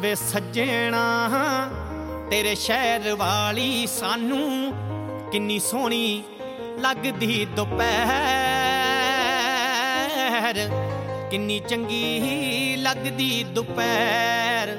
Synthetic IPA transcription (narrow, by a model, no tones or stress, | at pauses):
ʋeːsəd͡ʒeːɽaːɦa | t̪eːɾeːʃɛːɾʋaːliːsaːnũː | kɪnːiːsoːɳ̃iː | ləɡd̪iːd̪ʊpɛː | ɾ | kɪnːiːt͡ʃəŋɡiːɦiləɡd̪iːd̪ʊpɛ | ɾ